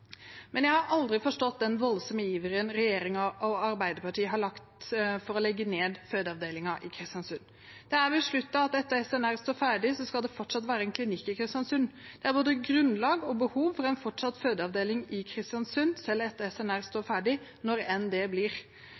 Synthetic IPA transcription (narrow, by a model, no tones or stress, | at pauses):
mɛnjæɪhɑɾʔɑld̪ɾɪfɔʂʈɔt̪̚d̪ɛnʋɔlsɔməjiːʋəɾənɾɛjeːɾɪŋɑʔɔɑɾbæɪd̪əɾpɑʈiːəɦɑɾɭɑkt̪fɔɾɔlɛɡːəneːd̪føːd̪əɑʋd̪eːlɪŋɑʔɪkʰɾɪst̪jɑnsʉnː | d̪̥ɛæɾʋɪlʂɭʉt̪ːɑɑt̪ɛt̪ːəɛsɛnæɾst̪oːɾfæɖɪsɔskɑld̪ɛfɔʈʂɑt̪ʋæːɾəɛnkʰlɪnɪkːɪkʰɾɪst̪jɑnsʉnd̪̥ɛæɾboːd̪əɡɾʉnlɑːɡɔbəhuːʋfɔɾɛɪnfɔʈʂɑt̪ːføːd̪əɑʋd̪eːlɪŋɪkʰɾɪst̪jɑnsʉnsɛlːɛt̪ːəɛsɛnæɾst̪oːɾfæːɖɪnɔɾɛnd̪ebliɾ